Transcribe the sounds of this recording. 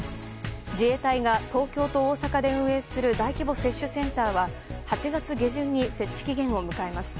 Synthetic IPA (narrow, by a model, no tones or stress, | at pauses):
d͡ʑie̞t̪aiɡat̪o̞ːkʲo̞ːt̪o̞ːsakad̪e̞ɯ̟̃ɰ̃e̞sɨɾɯ̟d̪aikʲibo̞se̞ɕːɨsẽ̞nt̪aːβahat͡ɕiɡat͡sɨɡʲe̞ʑɨ̃ɲ̟ːise̞t͡ɕːi̥kʲiɡẽ̞ɰ̃o̞mɯ̟kae̞masɨ̥